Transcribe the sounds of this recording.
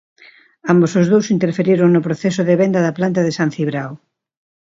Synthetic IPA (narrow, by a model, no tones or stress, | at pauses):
ambosozðowsint̪eɾfeɾiɾoŋnʊpɾoθɛsʊðeβɛnd̪ɐðɐplant̪ɐðesanθiβɾaw